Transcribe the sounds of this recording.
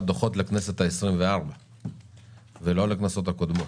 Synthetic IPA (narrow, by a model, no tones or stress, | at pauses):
d̪oχo̞t̪leknese̞t̪haesʁimveaʁba | velo̞leknaso̞t̪hako̞d̪mo̞t